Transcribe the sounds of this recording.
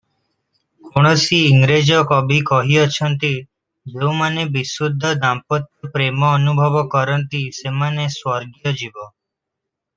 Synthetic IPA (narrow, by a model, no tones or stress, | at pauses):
koɽ̃ɔsiːŋɡɾed͡ʒɔkɔbʱikɔɦiɔt͡ʃʰɔnt̪i | d͡ʒeũmanebisud̪ʱːɔd̪ampɔt̪jɔpɾemɔːnubʱɔʋɔkɔɾɔnt̪isemaneswɔɾɡjɔd͡ʒibɔ